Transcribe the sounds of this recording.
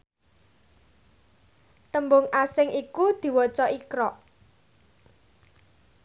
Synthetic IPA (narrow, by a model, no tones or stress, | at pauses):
t̪əmbʊŋasɪŋikud̪̥i̤wɔt͡ʃɔʔikɾɔʔ